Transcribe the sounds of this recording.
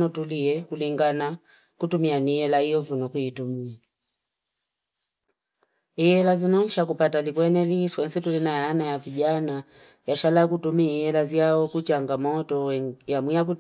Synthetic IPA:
nɔtuliɛkuliŋɡana | kutumianijɛlaijɔvunɔkuitumia | ijɛlazinɔn̩ʃakupatalikwɛnɛliswɛn̩sɛtulinajaːnajaviʄana | jaʃalakutumiijɛlaziaɔkut͡ʃaŋɡamɔtɔjamwijak̬u

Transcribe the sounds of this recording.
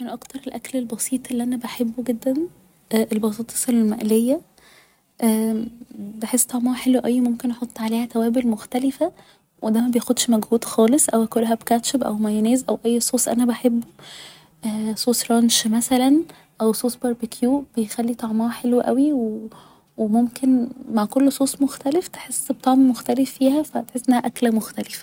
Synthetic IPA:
menʔɑkt̪ɑɾˤelʔæklelbɑsiːt̪ˤʔelːiʔænæbæħebːoɡed̪ːæn | ʔʔelbɑs̬ˤiːt̪ˤːesˤelelmæʔlejːæ | ʔæ | beħesːt̪ˤɑʕmɑħelweʔæjːmomkenʔɑħot̪ˤːʕaleːhæt̪æwæːbelmoxt̪ælefæ | wʔed̪æmæbejexod̪ʃmæɡhuːd̪xɑːlesˤʔæwækolːɦæbkæt̪ʃebʔæ̰wmæjneːzʔæwʔæjːsˤoːsʔæ̰næbæħebːo | ʔæsˤoːsˤɾˤɑnʃmæsælæn | ʔæwsˤoːsbɑɾˤbekʰjuːb̥ejxælːit̪ˤɑʕmɑħelweʔæwiwe | wemomkenmaʕkolːsˤoːsˤmoxt̪æleft̪e̥ħesːbt̪ˤɑʕmmoxt̪ælefːiːhæfæt̪eħesːʔenːæhæʔæklæmoxt̪ælefæ̥

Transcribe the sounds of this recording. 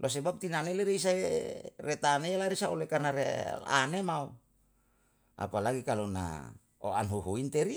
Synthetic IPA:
lʔos̬ebap̚t̪inaneleɾeisaeret̪anejalaɾisaulekarnaɾea̰nemau | a̰palaɡikalona̰ | o̰anɦuɦuint̪eɾi

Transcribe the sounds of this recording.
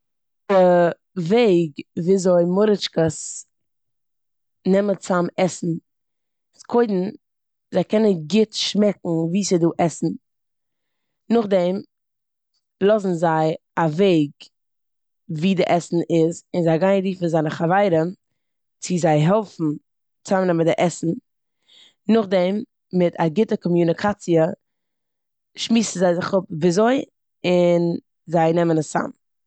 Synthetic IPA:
d̥ɪ | veɪɡviːzoɪmʊɾɪt͡ʃkəs | nɛmət͡samɛsn̩ | skʰoɪdn̩ | zaɪkɛnəɡɪtʃmɛkŋ̩viːsɪduːʔɛsn̩ | nʊχdɛm | lˠɔzn̩zaɪ | aveɪɡ | viːdɪʔɛsn̩ʔɪzɪnzaɪɡaɪnɾiːfn̩zaɪnəχavaɪɾə | t͡sɪzaɪɦɛlˠfn̩ | t͡samnɛmədɪʔɛsn̩ | nʊχdɛmː | ɪtʰaɡɪtəkɔmjunɪkʰat͡siə | ʃmiːsn̩zaɪzɪχʊp̚vizoɪ | ɪn | zaɪnɛmənəsa̰m

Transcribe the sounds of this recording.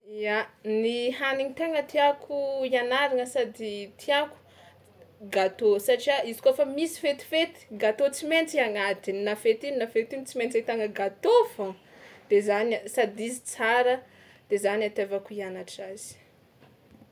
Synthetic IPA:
ianiɦaniŋit̪aŋət̪iakʰuianaɾaŋəsad̪it̪ʰiaku̥ | ɡat̪osaʈ͡ʂiaizi̥kofamisi̥fet̪i̥fet̪i̥ɡat̪ot͡siment͡siaŋad̪innafet̪innafet̪int͡siment͡set̪aŋəɡat̪ofa | d̪̥ezansad̪izit͡saɾə | d̪̥ezanat̪evakuianaʈ͡ʂaz̥i̥

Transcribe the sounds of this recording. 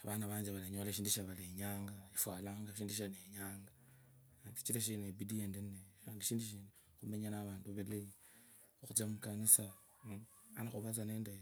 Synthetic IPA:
aβanaβaːɲd͡ʒeβalaɲoːleʃiːnduʃaβaleɲaːŋɡaifwaːlaŋɡaʃ̬iːnduʃ̬aneɲaːŋɡa | ti̥t͡ʃileʃ̬inebidiendeneaːndiʃiːndiʃiːne | xumeɲanaβaːnduβelei | xut͡samukanisa | anaxuβat͡saneːnde

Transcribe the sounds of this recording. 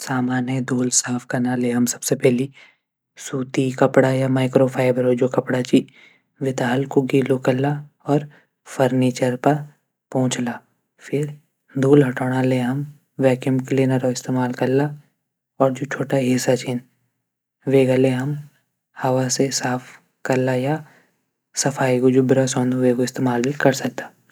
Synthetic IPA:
saːmaːnjəd̪ʱoːlsaːfʰkɐɾnaleɦɐmsɐ̥b̥sepɛɦli | suːt̪ikɐpɽajamaːɪkɾopʰaːɪbəɾod͡ʒokɐpɽat͡ʃi | ʋɪt̪aːɦlkoɡiːlokɐɾla | ɔːɾ | fɐɾniːt͡ʃəɾpɐɾ | pɔ̃ːʊ̃t͡ʃlaː | fʰɪɾ | d̪ʱuːlɦɐʈoːɽ̃aleɦɐm | ʋɛːkjəmkleːnɐɾoɪst̪eːmaːlkɐɾla | ɔːɾd͡ʒoːt͡ʃʰoːʈaɦɪsat͡ʃʰin | ʋeːɡaleɦɐm | hɐʋasesaːpʰ | kɐɾlaja | sɐfʰaːiɡod͡ʒʊbɪɾasɔ̃ːnd̪ʱʊʋeɡoɪst̪eːmaːlbʱikɐɾsɐk̚t̪ḁː

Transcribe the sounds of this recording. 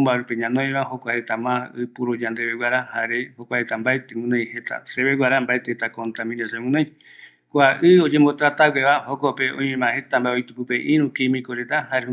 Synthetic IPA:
mbaɾupeɲãnoẽβaɦokʷahet̪amãɨpuɾud͡ʒãnd̪eβewʷaɾahaɾehokʷahet̪ambaet̪ewũnõj̃het̪a̰seβeɡʷaɾambaet̪eet̪akont̪amĩnẽsemũnõj̃ | kʷaʔɨod͡ʒẽmbot̪ɾat̪awʷeβahokopeõj̃mẽmãhe̞t̪ambaeojt̪upɨpeʔiɾũkimĩkoɾet̪ahaɾe

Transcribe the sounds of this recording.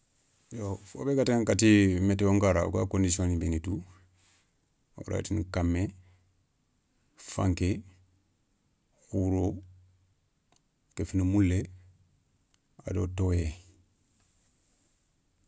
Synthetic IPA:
jofo̰bekataŋkatimeteoŋkaɾaṵkakõndisiõnibenitu | o̰ɾa̰tinikamːe | fã̰ŋke | kuɾo | kefinumulːe | a̰dotoje

